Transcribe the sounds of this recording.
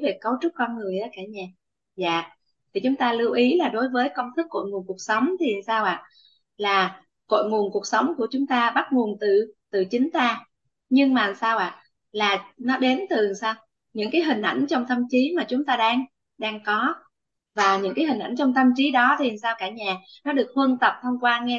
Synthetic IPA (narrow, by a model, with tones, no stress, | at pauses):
ve˨˩kə˨˦wt͡ɕʊ˦˥t̚kɔ˧nŋɨ˨˩əjʔa˨˦kaː˧˩ɲaː˨˩ | za̰ː˧˨ | t̪ʰi˨˩t͡ɕʊ˨˦ŋ͡mt̪aː˧lɨ˧wʔi˨˦laː˨˩ɗo˨˦jvəː˨˦jkə˧wŋ͡mt̪ʰɨ˦˥k̚ːo̰˧˨jŋu˨˩nku˨˩ək̚sə˨˦wŋ͡mt̪ʰi˨˩˨saː˧wʔa̰ː˧˨ | laː˨˩ | ko̰˧˨jŋu˨˩ənku˨˩ək̚sə˨˦wŋ͡mku˧˩ət͡ɕʊ˨˦ŋ͡mt̪aː˧ɓa˦˥t̚ŋu˨˩ənt̪ɨ˨˩t̪ɨ˨˩t͡ɕï˨˦ŋ̟t̪aː˧ | ɲɨ˧ŋmaː˨˩saː˧wʔaː˧˨ | laː˨˩nɔ˨˦ɗe˨˦nt̪ɨ˨˩˨saː˧w | ɲɨ̰˧˥ŋkaː˨˦jɦï˨˩ŋ̟ʔa̰˧˩jŋ̟t͡ɕɔ˧wŋ͡mt̪ʰə˧mt͡ɕi˨˦maː˨˩t͡ɕʊ˨˦ŋ͡mt̪aː˧ɗaː˧ŋ | ɗaː˧ŋkɔ˨˦ | vaː˨˩ɲɨ̰˧˥ŋkaː˨˦jɦï˨˩ŋ̟ʔa˧˩jnt͡ɕɔ˧wŋ͡mt̪ə˧mt͡ɕi˨˦ɗɔ˨˦t̪ʰi˨˩˨saː˧wkaː˧˩ɲaː˨˩nɔ˨˦ɗɨ˨˩ək̚hwə˧nt̪ə˨˩p̚t̪ʰə˧wŋ͡mkwaː˧ŋɛ˧